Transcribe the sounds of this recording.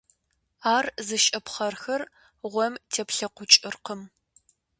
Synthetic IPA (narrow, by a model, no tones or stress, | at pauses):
aːrzɨʃʼɐpχɐrxɐr | ʁʷɔmtʰeːpɬɐqʷʊt͡ʃʼɨrqəm